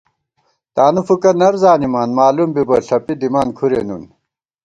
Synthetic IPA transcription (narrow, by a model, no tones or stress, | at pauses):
t̪aːnufukɐnɐɾzaːnimaːnmaːlumbibɐɬɐpid̪imaːnkʰuɾḛnṵn